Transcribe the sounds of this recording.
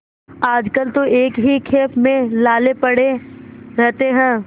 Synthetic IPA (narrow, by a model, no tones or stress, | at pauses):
aːd͡ʒkəlt̪oeːkɦikʰeːpʰmẽlaːlepɐɽeɾɛɦt̪eɦɛ̃ː